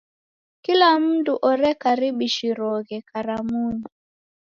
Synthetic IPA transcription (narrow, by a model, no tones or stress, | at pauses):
kilam̩duʔɔɾɛkaɾiɓiʃiɾɔɣɛkaɾamuni